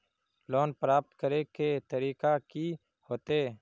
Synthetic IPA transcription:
loːnpɾaːp̚t̪kəɾeket̪əɾiːkaki | hoːt̪e

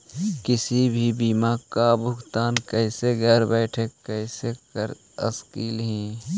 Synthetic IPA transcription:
kɪsibʱibiːmaːkkabʱʊɡt̪aːnkɛːseɡɛːɾbɛːʈʰekəɪsekəɾ | ə̰skiːlɦɛ̃ː

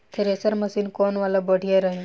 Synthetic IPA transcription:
t̪ʰeɾesəɾməsiːnkonʋaləbəɽ̤ʱijaɾəɦi

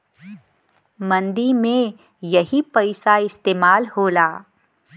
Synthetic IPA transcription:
mɐ̃nd̪imẽ | jɐɦipɐɪsaɪst̪eːmaːlɦoːlaː

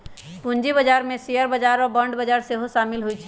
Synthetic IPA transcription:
pund͡ʒibəd͡ʒaɾmẽsijəɾbəd͡ʒaɾɔɾbəɳɖbəd͡ʒaɾseɦoʃamilɦojt͡ʃʰ

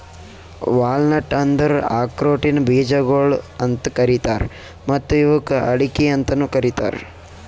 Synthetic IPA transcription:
ʋaːlnɐʈɐnd̪ɐɾaːkɾoːʈinɐbiːd͡ʒɐɡoɭɐnt̪ɐkɐɾit̪aːɾ | mɐt̪ːuiʋɐkɐɐɽikiɐnt̪ɐnukɐɾit̪a̰ːɾ

